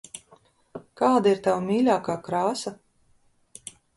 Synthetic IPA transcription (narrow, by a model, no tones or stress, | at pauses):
kaːd̪iɾt̪awmiːlʲaːkaːkɾaːsa